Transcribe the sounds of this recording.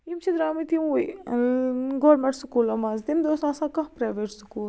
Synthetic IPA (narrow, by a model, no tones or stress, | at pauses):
imt͡ʃʰid̪ɾaːmit̪iuj | ɡoːɾmẽɳʈsukuːlɐmazd̪imd̪oːsãːsãkɐɦpɾaːʋeʈsukuːl